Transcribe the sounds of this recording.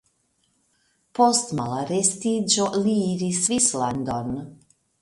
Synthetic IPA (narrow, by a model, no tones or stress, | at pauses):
postmalaɾestid͡ʒoliːɾisvisland̪on